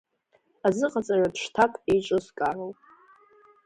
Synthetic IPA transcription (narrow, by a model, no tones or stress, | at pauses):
azɨqʼat͡sʼarapʂtʰakʼejt͡ʃʷʼɨzkʼarowpʼ